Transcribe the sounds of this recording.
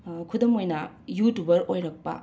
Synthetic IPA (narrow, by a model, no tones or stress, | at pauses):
kʰudomojnɐ | jutubɐɾojɾɐk̚pɐ̰